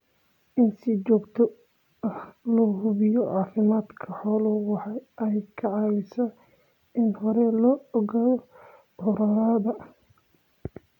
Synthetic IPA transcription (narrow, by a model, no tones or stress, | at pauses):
ʔɪnsɪt͡ʃɔːɡt̪ʰɔ | ɐhlɔːɦʊβɪjɔʕɑːfɪmaːd̪kʰɐħɔːlʊwɑħɑʔɛjkʰɐʕɑːwɪsɐ | ɪnhɔɾɛlɔːɔɣaːðɔ | ʔɔɾɐɾaːðɐ